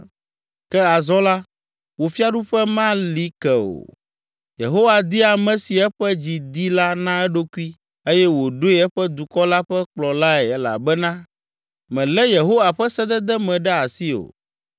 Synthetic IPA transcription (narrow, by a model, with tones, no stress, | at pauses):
kɛ˦a˨zɔ˦la˦ | wo˨fi˦a˦ɖu˦ɸɛ˦mã˦li˦kɛ˨o̰˨ | je˨ɦo˦wa˨d̪i˦a˨mɛ̃˨si˨ɛ˦ɸɛ˦d͡ʑi˨d̪i˦la˦nã˦ɛ˦ɖo˦ku˦i˦ | e˦jɛ˦wo˨ɖo˦i˦ɛ˦ɸɛ˦d̪u˨kɔ˦la˦ɸɛ˦k͡plɔ˨la˦ɛ˨ɛ˦la̰˨bɛ˦nã˦ | mɛ̃˨lɛ˦je˨ɦo˦wa˨ɸɛ˦sɛ˦d̪ɛ˦d̪ɛ˦mɛ̃˨ɖɛ˦a˨si˦o̰˨